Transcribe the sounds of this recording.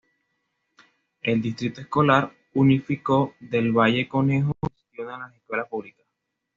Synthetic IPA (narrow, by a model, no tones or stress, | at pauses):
e̞ld̪ist̪ɾit̪oe̞sko̞laɾ | unifiko̞ðe̞lβaʝe̞ko̞nexosklunaelaseskwe̞laspuβlikḁs